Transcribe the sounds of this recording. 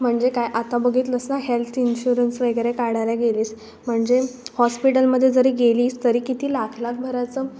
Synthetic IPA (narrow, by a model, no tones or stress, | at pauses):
m̤əɳd͡zekajʔat̪abəɡʱiːt̪ləsnaɦelt̪ʰinɕuɾənsʋəɡjɾekaɽ̤ajljaɡeliːs | m̤əɳd͡zehɔspiʈəlməd̪ʱːjed͡zəɾiːɡeliːst̪əɾiːkit̪iːlakʰlak̚bʱəɾat͡sə